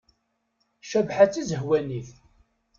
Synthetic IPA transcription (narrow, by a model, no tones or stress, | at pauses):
ʃæbħat͡sːizəɦwæniθ